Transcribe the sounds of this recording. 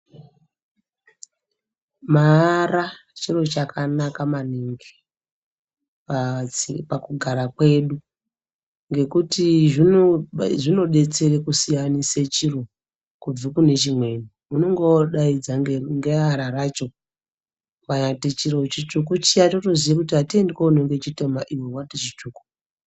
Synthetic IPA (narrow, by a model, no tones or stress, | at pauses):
maːra | t͡ʃiro̞t͡ʃakʰanakamaniŋɡi | pakuɡʱaɾakwe̞ɗu | ŋɡe̞kutiʐi | ʐino̞ɗe̞t͡se̞rekusijaniset͡ʃiro | kub͡vikune̞t͡ʃimwe̞ni | muno̞ŋɡo̞ɗaid͡zaŋɡeaɾarat͡ʃo̞ | waɲatet͡ʃirot͡ʃitukut͡ʃijatoto̞ziakutiatiendikounoŋɡet͡ʃitemaʔiwewatet͡ʃituku̥